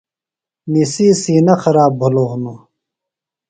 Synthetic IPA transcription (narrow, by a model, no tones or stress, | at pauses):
nisiːsiːnɐxɐɾaːbbʱɐloːɦunu